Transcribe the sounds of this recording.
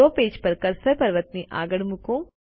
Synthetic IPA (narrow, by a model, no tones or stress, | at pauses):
oːpeːd͡ʒpɐɾkɐɾsɐɾpɐɾʋət̪niʔa̰ːɡəɽmʊkõː